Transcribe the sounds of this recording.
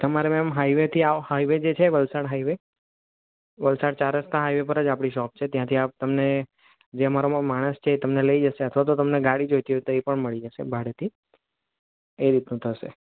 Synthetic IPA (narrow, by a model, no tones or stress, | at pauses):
t̪əmaɾemɛmɦajʋet̪ʰiahaiʋed͡ʒet͡ʃʰeʋəlsaɽɦaiʋe | ʋəlsaɽt͡ʃaɾəst̪ãɦaiʋepəɾəd͡ʒapɽ̃iʃɔp̚t͡ʃʰet̪jãt̪ʰiap̚t̪əmne | d͡ʒeəmaɾoamaɽ̃əst͡ʃʰeːt̪əmneləid͡ʒəʃeət̪ʰʋat̪̬ot̪əmneɡaɽid͡ʒojt̪iɦot̪oepəɳməɭid͡ʒəʃḛbʱaɽet̪ʰi | eɾit̪nũt̪ʰəʃḛ